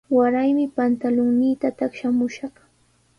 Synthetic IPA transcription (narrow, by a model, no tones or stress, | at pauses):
waɾajmɪpant̪alʊŋnɪjt̪at̪aχʃamʊʃɑχ